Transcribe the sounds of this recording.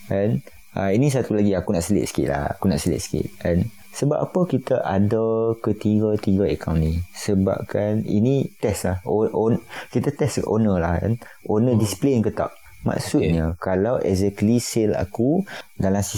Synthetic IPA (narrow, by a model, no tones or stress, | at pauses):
ʔɛn | a̰inis̬at̪ulaɡiakunaʔsəlɪ̰t̪sə̥kḭʔ̪la̰ha̰kunaʔsəlɪ̰t̪̚sə̥kḭt̪̚ɛn | səba̰p̚apəkit̪aʔadakət̪iɡət̪iɡəekʰawnĩsəba̰p̚kanḭnit̪ɛslahoonkit̪at̪ɛsʔonəlahɛ̰n | ʔonədisi̥plenkət̪a̰ʔ̚ | ma̰ʔsut̪̚ɲəkalawʔɛ̰zɛkəlisela̰kudalamsi